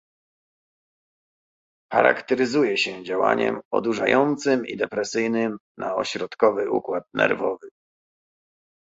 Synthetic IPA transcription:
xa̰ɾa̰kt̪ɛɾɘzujɛɕɛd͡ʑawa̰ɲɛ̰mɔ̰d̪uʐajɔnt̪sɘmḭd̪ɛpɾɛsɘjnɘmnʔaɔɕɾɔt̪kɔvɘʔukwat̪̚nɛ̰ɾvɔvɘ

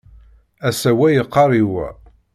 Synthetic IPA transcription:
æsæwæjəqːɑɾˤiwæ̰

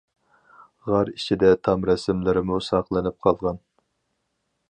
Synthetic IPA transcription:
ʁɑɾit͡ʃʰid̪ɛt̪ʰɑmɾɛsɪmlɪɾɪmusɑqlˠɨnɪp̚qʰɑlˠʁɑn

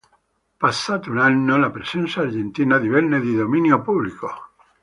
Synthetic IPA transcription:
pasat̪unaɲːolapɾesensaːɾʝent̪inaðiβelneðiðomĩnjopuβliko

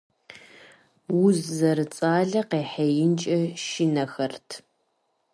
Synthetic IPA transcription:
wʊzːɐɾɨt͡sʼaːɮɐqeːħejɪnt͡ʃʼɐʃinɐxɐrtʰ

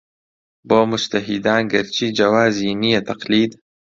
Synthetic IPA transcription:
boːmʊt͡ʃt̪ɐɦid̪aːnɡɐɾt͡ʃʰiːd͡ʒɐwaːziːnijet̪ɐqliːd̪

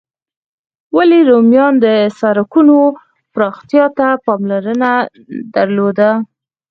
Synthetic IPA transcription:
waleɾomjɑnd̪əsɑɾakuno | pɾɑxt̪jɑt̪apɑmlaɾəna | d̪aɾlod̪a

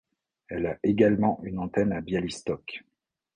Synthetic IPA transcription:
ɛlaʔeɡalmɑ̃ʔynɑ̃t̪ɛnabjalist̪ɔk

